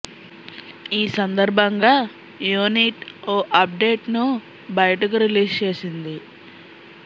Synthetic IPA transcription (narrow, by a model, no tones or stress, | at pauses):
iːsɐnd̪ɐɾbʱɐŋɡaː | juːniʈoːʔɐp̚ɖe̞ːʈnu | bɐjɐʈɐk̬uɾiliːst͡ʃe̞ːsind̪i